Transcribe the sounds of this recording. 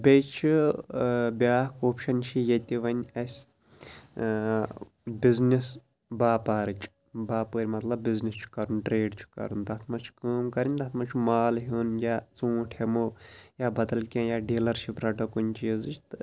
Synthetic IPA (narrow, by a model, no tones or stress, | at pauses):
bʲejt͡ʃʰu | bʲjaːkoːpʰʃɐnʲʃʰijet̪ʲiʋɐnʲɐsʲ | biznis | baːpaːɾɨt͡ʃʰ | baːpɨːɾʲimɐt̪lɐbːiznist͡ʃʰu̥kɐɾunʈɾeːɖt͡ʃʰu̥kɐ̰ɾunt̪ɐt̪ʰmɐt͡ʃʰu̥kəːmkɐɾʲinʲt̪ɐt̪ʰmɐt͡ʃʰumaːlɦuːnjaːt͡sũːʈʰemoːjaːbɐd̪ɐlkʲãːjaːɖiːlɐɾʃʰipɾɐʈɐkunʲt͡ʃiːzɨt͡ʃʰt̪ɨ